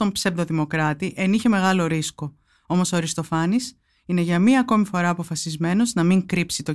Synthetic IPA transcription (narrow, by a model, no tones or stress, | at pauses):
t̪o̞mpsevd̪o̞ðimo̞kɾɐt̪iʔe̞niçe̞me̞ɣɐlo̞ɾisko̞ | o̞mo̞soɾist̪o̞fɐnis | ine̞ʝɐmiɐːko̞mifo̞ɾɐːpo̞fɐsizme̞no̞znɐmiŋkɾipsit̪o̞